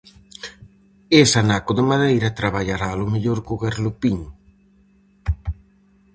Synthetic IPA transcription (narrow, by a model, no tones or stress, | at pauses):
esanakʊðɪmaðejɾɐt̪ɾaβ̞aʎaɾaːlʊmeʎoɾkoɣaɾlʊpiɲ